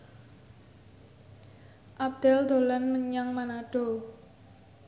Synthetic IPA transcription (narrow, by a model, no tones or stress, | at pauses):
ʔab̚d̪̥ɛld̪o̤lanməɲaŋmanaɖ̥o